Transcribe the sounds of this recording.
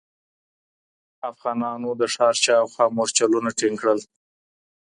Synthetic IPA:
afɣɑnɑnod̪əʂɑɾt͡ʃɑwxɑmoɾt͡ʃalunaʈiŋkɽəl

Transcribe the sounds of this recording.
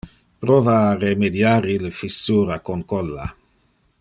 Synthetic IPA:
pɾoːvaːremed̪jaːɾiləfisuːɾakonkɔlːa̰

